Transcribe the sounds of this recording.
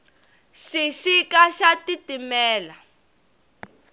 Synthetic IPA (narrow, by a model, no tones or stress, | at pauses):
ʃiʃikaʃatitimɛːla